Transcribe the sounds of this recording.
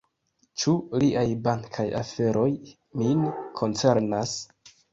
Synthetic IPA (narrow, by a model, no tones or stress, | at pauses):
t͡ʃuliʔajbaŋkʰaja̰fe̞ɾo̞j | minkʰo̞nt͡se̞ɾnas